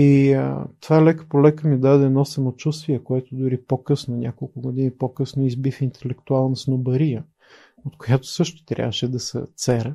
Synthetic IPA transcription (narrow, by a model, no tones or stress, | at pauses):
iət̪valɛkə̥polɛkəmid̪ad̪ɛːnɔsɐmot͡ʃust̪viɛkoɛt̪od̪ʊɾipokɤsnonʲakolˠkʊɡʊd̪inipokɤsnoizbifint̪ɛlɛkt̪ualˠnɐsnobɐɾijə | ot̪kojat̪o̥sɤʃt̪ʊ̥t̪ɾʲja̰vəʃɛd̪ɐsɛ̰t̪sɛɾə